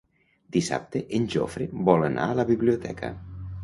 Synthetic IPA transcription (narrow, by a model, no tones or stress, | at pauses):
d̪̥isa̰p̚t̪eʔenʲʒo̰fɾebɔlənʔa̰ələβiβliot̪ʰɛ̰kʰə̰